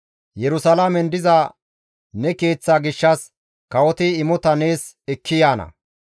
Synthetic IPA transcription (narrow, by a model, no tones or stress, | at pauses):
jɛɾʊsɐlamɛnd̪ɪza | nɛke̞ːt͡sːaːɡɪʃːɐs | kɐwɔt̪ɪɪmɔt̪ɐneːs | ɛkːɪjaːnɐ̰